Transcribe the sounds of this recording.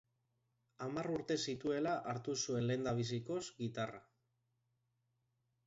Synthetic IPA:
amaruɾt̪e̞sit̪ue̞laʔaɾt̪usue̞nle̞nd̪aβ̞is̬iko̞sɡit̪ara̰

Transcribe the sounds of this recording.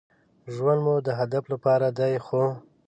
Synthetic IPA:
ʒwand̪mud̪əɦad̪aflapɑɾad̪ajxo

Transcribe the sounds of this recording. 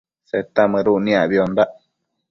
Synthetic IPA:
set̪amɨ̃ɾunĩaβiond̪aʔ

